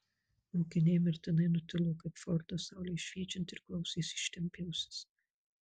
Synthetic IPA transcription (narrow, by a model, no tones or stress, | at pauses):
ɐʊkʲɪnʲeːmʲɪɾʲt̪ʲɪnɐɪnʊt̪ʲɪlˠoːkɐɪpfɔɾd̪ɐsɑˑʊlʲeːʃʲʋʲiɛt͡ʃʲɛnt̪ʲɪɾklˠɐʊsʲeːsʲɪʃt̪ʲɛmʲpʲɛʊsʲɪ̥s